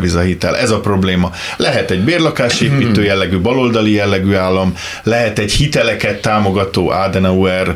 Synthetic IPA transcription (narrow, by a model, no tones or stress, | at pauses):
vizɒɦit̪ɛ̰lʔɛzɒpro̞bleːmɒ | lɛɦɛt̪ɛɟbeːrlɒkaːʃeːpiːt̪øːjɛlːɛɡybɒlo̞ld̪ɒlijɛlːɛɡyːaːlːɒm | lɛɦɛt̪ɛɟhit̪ɛlɛkɛt̪ːaːmo̞ɡɒt̪oːʔaːd̪ɛnɛuɛr